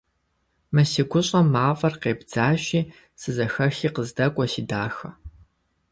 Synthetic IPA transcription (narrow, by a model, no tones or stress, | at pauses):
mɐsiɡʷʊɕʼɐmːaːfʼɐrqeːbd͡zaːɕiː | sɨzɐxɐxiːqəzdɐkʷʼɔsiːdaːxɐ